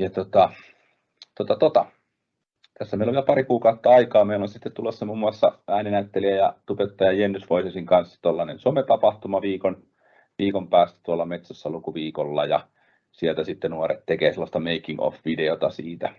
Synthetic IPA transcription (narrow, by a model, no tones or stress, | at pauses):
jɑt̪ot̪ɑ | t̪ot̪ɑt̪ot̪ɑ | t̪æsːæmeˑiloʋiælpɑrikuːkɑˑut̪ːɑɑikɑːmeˑilonsit̪ːet̪t̪ulːosːɑmumːuɑsːɑæˑːninæyt̪ːeliæjɑt̪upet̪ːɑjɑjenːysʋoisesiŋkɑnsːɑ̥t̪olːɑnḛnsomet̪ɑpɑht̪umɑʋiːkon | ʋiːkompæːst̪æ̥t̪uolːɑmet̪sæsːɑlukuʋiːkolːɑ̰jɑ̰ | sielt̪æsit̪ːenuorḛt̪t̪ekeːselːˑɑst̪ɑmeikːiŋo̰fʋideot̪ɑsiːt̪æ